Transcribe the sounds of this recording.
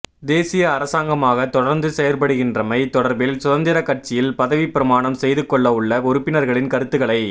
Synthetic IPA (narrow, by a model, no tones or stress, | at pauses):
d̪eːsɪjɐːɾɐsaːŋɡɐmaːɣɐt̪ɔɽɐɾnd̪ɯsɛjɐɾpɐɽɯɣɪndrɐmɐɪt̪ɔɽɐɾbɪlsʊðɐnd̪ɪɾɐkːɐr̚t͡ʃɪjɪlpɐðɐʋipːɪɾɐmaːɳɐmsɛjðɯkːɔɭːɐɯɭːɐʊɾɯpːɪnɐɾɣɐɭɪnkɐɾɯt̪ːɯɣɐɭɐɪ